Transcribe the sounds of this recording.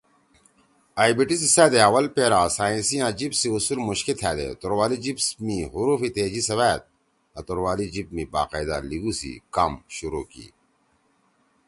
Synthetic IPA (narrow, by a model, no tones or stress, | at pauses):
aːibiʈisisaːd̪eɐwɐlpeːɾaːsaːĩnsijãːd͡ʑibsiusulmuɕkit̪ʰɛːd̪ḛt̪oɾwaːlid͡ʑibsmiɦuɾuːfit̪eːd͡ʑisɐβaːt̪̚ | ɐt̪uɾwaːlid͡ʑip̚mĩːba̰ːqaːjd̪a̰liɡuːsḭkamɕuɾuːkḭː